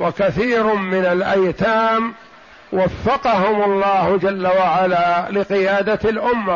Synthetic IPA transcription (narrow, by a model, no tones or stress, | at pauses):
wakaθiːɾmɪnalʔajt̪aːm | wafːɑqɑɦʊmʊlˤːɑːhd͡ʒalːawaʕalaːlɪqɪjaːd̪alʔʊmːa